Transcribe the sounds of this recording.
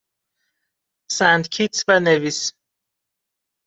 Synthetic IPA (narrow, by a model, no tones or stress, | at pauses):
sænd̪cʰit̪svænevis